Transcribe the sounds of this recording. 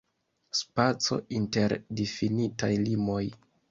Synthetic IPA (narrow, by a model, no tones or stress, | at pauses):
spat͡so̞̰ʔinte̞ɾdifinitajlimo̞j